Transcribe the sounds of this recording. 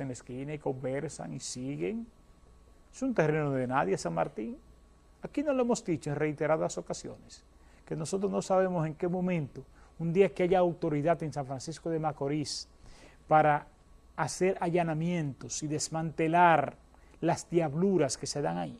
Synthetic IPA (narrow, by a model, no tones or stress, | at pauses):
seneskinaiko̞mbe̞ɾsa̰ŋisiɣeŋ | esunt̪e̞renoðenaðjesaŋma̰ɾt̪iŋ | akino̞loemo̞zd̪it͡ʃoeŋre̞jt̪e̞ɾaðaso̞kasjo̞̰neske̞no̞so̞t̪̬ɾosno̞saβe̞mo̞se̞ŋke̞mõ̞mẽnt̪o̞und̪iakeaʝaːwt̪o̞ɾiðaðe̞nsaɱfɾansisko̞ðe̞mako̞ɾis | paɾaː | se̞ɾaʝanamjẽ̞nt̪o̞siðe̞smãnt̪e̞laɾ | lasd̪jaβluɾaske̞se̞ðaŋai